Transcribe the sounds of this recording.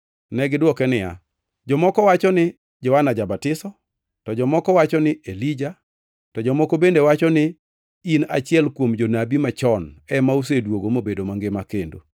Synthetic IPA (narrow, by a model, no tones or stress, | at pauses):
nɛɡɪdwɔkɛnɪja̰ | d͡ʒɔmɔkɔwat͡ʃɔnɪ | d͡ʒɔwanad͡ʒabatɪsɔ | tɔd͡ʒɔmɔkɔwat͡ʃɔnɪelid͡ʒa | tɔd͡ʒɔmɔkobendewat͡ʃɔnɪ | ina̰t͡ʃɪɛlkwomd͡ʒonabimat͡ʃɔnɛmaus̬edwoɡomobedomaŋɡɪmakendo̰